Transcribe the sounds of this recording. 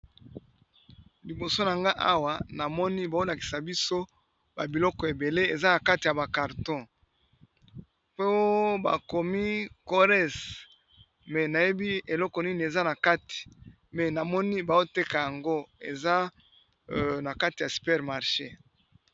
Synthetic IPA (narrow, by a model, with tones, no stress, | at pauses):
li˨bo˨so˦na˨ŋɡa˦ʔa˦wa˨na˨mɔ˦ni˦ba˨o˦la˨ki˨sa˨bi˦so˦ | ba˨bi˨lɔ˦kɔ˨e˨be˨le˦e˨za˦na˨ka˦ti˨a˨ba˨ka˨ʁtɔ̃˦ | po˦ba̰˨ko˨mi˦ko˦ʁɛ˦s | mɛ˨na˨je˦bi˦e˨lɔ˦kɔ˨ni˦n˨e˨za˦na˨ka˦ti̥˨ | mɛ˨na˨mɔ˦ni˦ba˨o˦te˦ka˨ja˨ŋɡo˦ḛ˨za˦ | na˨ka˦ti˨ja˨sy̥˨pɛ˦ʁma˨ʁʃe˦